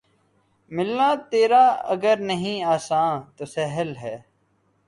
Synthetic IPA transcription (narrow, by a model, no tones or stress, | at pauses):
mɪlnãːt̪eːɾaːə̰ɡəɾnəɦĩːaːsãːt̪oːsɛɦəlɦɛː